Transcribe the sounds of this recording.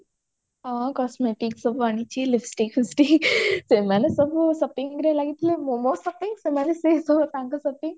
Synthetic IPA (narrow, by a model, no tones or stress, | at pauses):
ɦãkɔsmeʈiksəbañit͡ɕilifsʈikisʈisemanesəbʱsəpiŋɡɾelaɡit̪lemomosɐpiŋɡsemanesesəbt̪ãŋkasəpĩŋ